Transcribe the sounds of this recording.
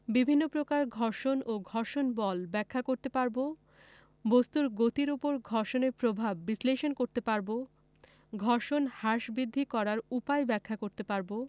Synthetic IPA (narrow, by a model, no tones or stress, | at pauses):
bibʱinːopɾokaɾɡʱɔɾʃonoɡʱɔɾʃonbɔlbɛkʰːakoɾt̪epaɾbo | bost̪uɾɡot̪iɾupoɾɡʱɔɾʃoneɾpɾobʱabːisleʃonkoɾt̪epaɾbo | ɡʱɔɾʃonhaʃbɾid̪ʱːikɔɾaɾupaebɛkʰːakoɾt̪epaɾbo